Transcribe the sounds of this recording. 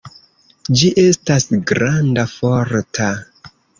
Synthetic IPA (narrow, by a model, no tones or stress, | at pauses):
d͡ʒiʔe̞stasɡɾandafoɾtʰa